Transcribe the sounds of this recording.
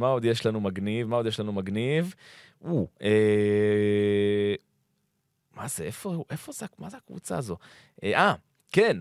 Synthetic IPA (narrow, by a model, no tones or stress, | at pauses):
mao̞d̪jeʃlanumaɡnivmaod̪jeʃlanumaɡniv | ue | mazeʔefouʔe̞fo̞zeamazeakvṵt͡sa̰ːzo̞ | ʔeʔa | ken